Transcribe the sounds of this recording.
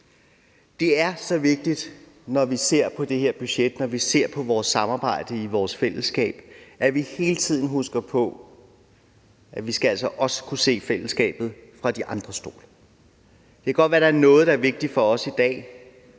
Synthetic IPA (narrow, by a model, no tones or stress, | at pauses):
d̥e̝æɐsɒ̽ʋe̝ɡ̥̚d̥id̥ | nɒʋise̝ɐ̰pʰɒ̽d̥e̝he̝ɐ̰b̥yɕed̥nɒʋise̝ɐ̰pʰɒ̽ʋɒːsːɑ̈mɑ̈ːb̥ɑ̈ɪ̰d̥əiʋɒːsfel̰əsɡ̥ɛ̰ːb̥ʔæʋihe̝ːlət͡sʰið̞̰ˠn̩ɦusɡ̥ɐpʰɒ̽ | ʔæʋisɡ̥ææl̰sɒʔɒ̽sə̥kʰuse̝̰ːfel̰əsɡ̥ɛ̰ːb̥ð̞̩ˠfʁɑ̈d̥iʔɑ̈nd̥ʁɐsd̥o̝̰ːlɐ | d̥e̝kʰæɡ̥ɒ̽d̥̚ʋæɐɾ̥ɑæɐnɔ̽ːð̩ˠɾ̥ɑ̈æɐʋe̝ɡ̥̚d̥ifɒ̽ɒ̽sid̥ɛ̰ː